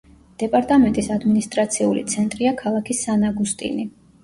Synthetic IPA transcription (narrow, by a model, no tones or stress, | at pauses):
d̪̥ɛpʼaɾt̪ʼamɛnt̪ʼisad̪minist̪ʼɾat̪sʰiulḭt̪sʰɛnt̪ʼɾiakʰalˠakʰisanaɡust̪ʼḭni